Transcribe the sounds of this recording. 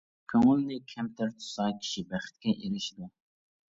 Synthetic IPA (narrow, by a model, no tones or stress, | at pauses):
kʲʰøŋʊlnɪkʲʰɛmt̪ʰɪɾt̪ʰu̥sɑːkʲʰi̥ʃibæχɪ̥t̪̚kʲɛʔeɾɪʃid̪u